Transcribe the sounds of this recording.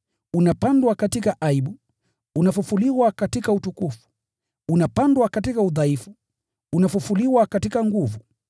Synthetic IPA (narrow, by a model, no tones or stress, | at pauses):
unapandwakatikaʔaiɓu | unafufuliwakatikautukufu̥ | unapandwakatikauðaifu | unafufuliwakatikaŋɡuvu